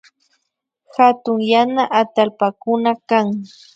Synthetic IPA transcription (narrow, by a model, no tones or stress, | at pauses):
hat̪ʊŋjanaʔat̪alpakʊnakaŋ